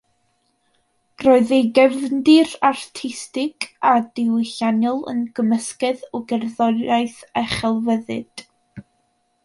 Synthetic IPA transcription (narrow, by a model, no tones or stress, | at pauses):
roːɨðejɡɛvndɪrartʰɪstɪkʰadɪwɪɬanjɔlˠə̰nɡ̥əməskɛðɔɡɛrðɔajθɛχɛlˠvəðɨ̰d̥